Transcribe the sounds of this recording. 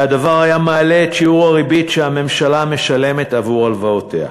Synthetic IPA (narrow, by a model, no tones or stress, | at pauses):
adavaʁhajamaːleːtʃiuʁaʁibiʃehame̞mʃalame̞ʃale̞me̞tavuʁalvaotʰea̰